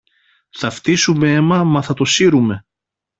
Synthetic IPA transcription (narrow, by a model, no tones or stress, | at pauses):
θɐft̪isumeemɐmɐθɐt̪o̞siɾume̞